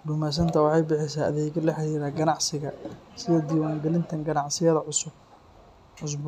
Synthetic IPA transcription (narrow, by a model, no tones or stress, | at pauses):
bʊmas̬ɐnt̪ʰɐwɑħɑjbɪħɪsaːɐðɛːɣɐlɐħɑɾiːɾaːɡɐnɑʕsɪɣɐsɪðɛd̪iːwaːŋɡɛlɪnt̪ʰɐŋɡɐnɑʕsɪjɐðɐʕʊsʊb | ʕʊs̬b